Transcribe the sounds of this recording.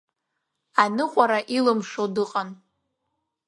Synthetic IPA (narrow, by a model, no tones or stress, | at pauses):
anɨqʷʼaɾaʔilɨmʂodɨqʼan